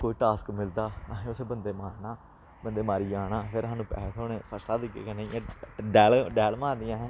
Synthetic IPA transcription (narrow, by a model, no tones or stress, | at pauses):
koːiːʈaːskmɪld̪aːɦẽːʊseːbənd̪eːmaːɾnaː | bənd̪eːmaːɾiːaːɽaːpʰɪɾɦaːnũːpɛ̰ːt̪ʰoːneːpʰəst̪aːd̪iːkḛːkːneiãɖɛːlɖɛːlmaːɾd̪ɪjãːɦɛ̃ː